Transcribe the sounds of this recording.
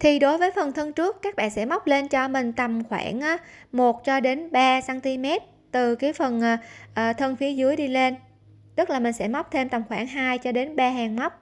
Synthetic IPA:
t̪ʰi˨˩ɗo˨˦jvəː˨˦jfə˨˩nt̪ʰə˧nt͡ɕɨ˦˥əkːaː˦˥k̚ɓa̰ː˧˨nsɛ̰˧˥ma˦˥wk͡p̚le˧nt͡ɕɔ˧mï˨˩ŋ̟t̪ə˨˩mxwa̰ː˧˩nʔaː˨˦mo˨˩t̚t͡ɕɔ˧ɗe˨˦nɓaː˧saː˧nt̪i˧mɛ˦˥t̚ | t̪ɨ˨˩ka˨˦jfə˨˩nʔːʔəː˨˩t̪ʰə˧nfi˨˦əzɨ˨˦əjɗi˧le˧n | t̪ɨ˦˥k̚laː˨˩mï˨˩ŋ̟sɛ̰˧˥ma˦˥k͡p̚t̪ʰe˧mt̪a˨˩mxwaː˧˩ŋɦaː˧jt͡ɕɔ˧ɗe˨˦nɓaː˧ɦaː˨˩ŋm˦˥wk͡p̚

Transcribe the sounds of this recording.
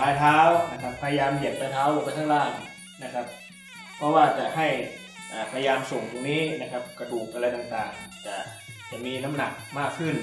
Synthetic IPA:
paː˧˩jt̪ʰaː˦˥wna˦˥kʰa˦˥pʰːaː˧ja˧jaː˧mji˨˩˦tp̪ʰaː˧jt̪ʰaː˦˥˩woː˧˩ka˧˩t̪ʰa˥˩laː˥˩n | na˦˥kʰa˦˥p̚ʰː | ɔ˦˧˥waː˧˩t͡ɕa˨˩ha˧˥˩j | ʔaː˨˩pʰa˧jjaː˧mso˨˩˦ŋt̪u˧˩ŋniː˦˥˨na˦˥kʰa˦˥p̚ka˧duː˨˩k̚ʔa˧ɾa˧jt̪aː˨˩ŋt̪aː˨˩ŋt͡ɕa˨˩ | t͡ɕa˨˩miː˧na˦˥mna˨˩k̚maː˥˩kʰːɯ˧˥˩n

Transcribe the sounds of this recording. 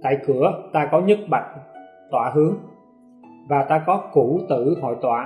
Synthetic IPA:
t̪a̰ː˧˨jkɨ˧˩ət̪aː˧kɔ˨˦ɲɨ˦˥t̚ɓa̰˧˨jŋ̚ | t̪waː˧˩ɦɨ˨˦əŋ | vaː˨˩t̪aː˧kɔ˨˦ku˧˩t̪ɨ̰˧˩ɦɔ̰˧˨jt̪wa̰ː˧˩

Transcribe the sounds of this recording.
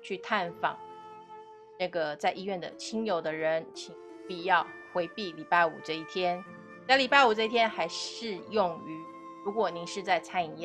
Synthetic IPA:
t͡ɕʰy˥˧t̪ʰa˥˩nfɑ̰˨˩˦ŋ | ʈ͡ʂɤ˥˩ɡə˩t͡sa˥˧ɪʔi˥ɥɛ˥˩nd̪ə̰˨˩t͡ɕʰi˥ŋjo˨˩ʊd̪ə˦ɻə˧˦˥nt͡ɕʰi˧˥ŋ | pi˨˩jɑ˥˩ʊxwe˧˥ɪpi˥˩li˨˩pa˥˩ɪṵ˨˩ʈ͡ʂɤ˥˧i˥˩t̪ʰjɛ˥n | a˥˩ɪli˨˩pa˥ɪu˨˩ʈ͡ʂɤ˥˧i˥˩t̪ʰjɛ˥nxa˧˥ɪʂɻ̩˥˧jʊ˥˩ŋy˧˥ | ɻu˧˥kwɔ˨˩ni˧˥ŋʂɻ̩˥˧t͡sa˥˩ɪt͡sʰa˥ni˨˩˥

